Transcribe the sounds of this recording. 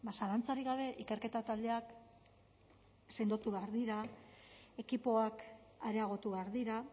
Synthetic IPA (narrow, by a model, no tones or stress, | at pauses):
basalant͡saɾiɣ̞aβ̞e̞ʔike̞ɾke̞t̪at̪ald̪e̞ak | se̞nd̪ot̪uβeaɾðiɾa | e̞kipo̞akaɾe̞aɣ̞o̞t̪uβe̞aɾðiɾa